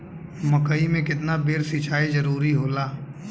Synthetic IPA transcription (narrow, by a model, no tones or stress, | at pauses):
məkəimẽkɪt̪nabeːɾsit͡ʃʰaːizɐɾuːɾiɦoːlaː